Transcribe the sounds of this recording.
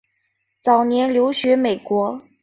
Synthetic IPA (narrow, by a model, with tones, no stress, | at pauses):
t͡sɑ˨˩ʊnjɛ˧˥nljo˧˥ʊɕɥɛ˧˥me˨˩ɪkwɔ˧˥